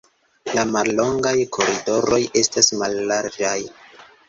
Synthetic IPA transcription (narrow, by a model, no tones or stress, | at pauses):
lamalːo̞ŋɡajkʰo̞ɾido̞ɾo̞jʔe̞stasmalːaɾd͡ʒaj